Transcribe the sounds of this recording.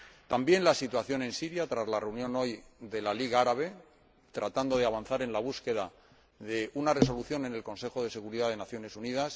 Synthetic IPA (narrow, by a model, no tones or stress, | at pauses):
t̪ambje̞nlasit̪waθjo̞nẽ̞nsiɾjat̪ɾazlare̞unjõ̞no̞jðe̞laliɣaaɾaβ̞e̞ | t̪ɾat̪and̪o̞ð̞eaβ̞anθaɾe̞nlaβ̞uske̞ða | ðe̞unare̞so̞luθjo̞ne̞ne̞lko̞nse̞xo̞ð̞e̞se̞ɣuɾiðaðe̞naθjo̞ne̞sunið̞as